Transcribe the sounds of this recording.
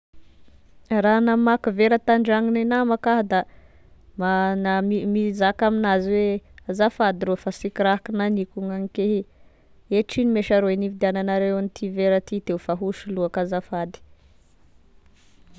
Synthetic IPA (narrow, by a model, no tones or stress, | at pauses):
ranamakuveɾət̪aɳɖ͡ʐaŋinenamakaɦd̪a | manaimizakaminaziweazafad̪iɾofasikiɾaɦkinanikuŋaŋikeɦi | eʈ͡ʂinimeʃaɾoenivid̪iananaɾewanit̪ʰiveɾat̪it̪eufaɦuʃuluakazafad̪i̥